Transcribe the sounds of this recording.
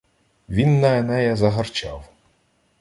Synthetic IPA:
ʋʲinːɐɛnɛjɛzɐɦɐrt͡ʃɑ̰w

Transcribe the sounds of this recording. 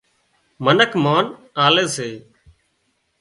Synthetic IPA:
mənəkʰmaːn | aːleːseː

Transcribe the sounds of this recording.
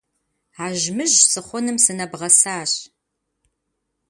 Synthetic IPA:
aːʒmɨʒsɨχʷɔnɨmsɨnɐbʁɐsaːɕ

